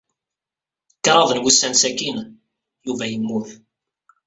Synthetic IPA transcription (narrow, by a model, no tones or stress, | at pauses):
kːɾˤɑðˤənwusːænsækin | juvæjəmːʊθ